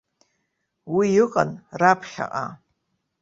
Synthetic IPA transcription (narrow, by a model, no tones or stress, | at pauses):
wijɨqʼanrapʰχʲa̰ʔʼa̰